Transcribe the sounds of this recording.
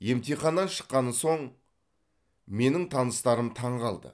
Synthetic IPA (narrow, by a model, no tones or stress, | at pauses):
je̞mt̪ijχɑnːɑnʃə̥qːɑnəso̞ɴ | me̞nɪŋt̪ʰɑnəst̪ɑɾəmt̪ʰɑɴʁɑlˠd̪ə̰